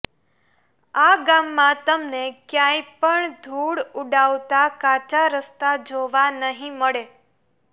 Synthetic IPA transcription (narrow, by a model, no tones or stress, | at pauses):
aɡamːãt̪əmnekjãjpəɳd̪ʱuɽuɖaʋt̪akat͡ʃaɾəst̪ad͡ʒoʋanəɦĩməɭe